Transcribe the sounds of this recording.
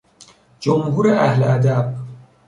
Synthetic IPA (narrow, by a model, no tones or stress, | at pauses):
d͡ʒomɦuːɾeʔæhleæd̪æb̥̚